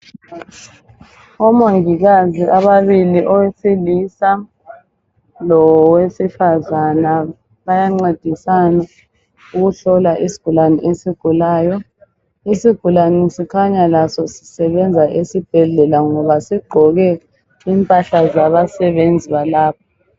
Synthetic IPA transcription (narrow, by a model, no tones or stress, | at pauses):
ɔmoŋiɣaziaβaβiliʔɔwesilisa | lɔwesifazana | βajaŋ͡ǀed̥ʱisana | uɣuɬɔlaʔisi̥ɡ̥ʱulanɛʔesiɡ̥ʱulaːjɔ | isiɡ̥ʱulanisikʰaɲalasɔsi̥sɛβɛnd͡zʱaʔesib̥ʱɛɮɛlaŋɔβasiɡ͡ǃʱɔɣɛ | iːmpʼaɬazaβasɛβend͡zʱiβalaːpʰɔ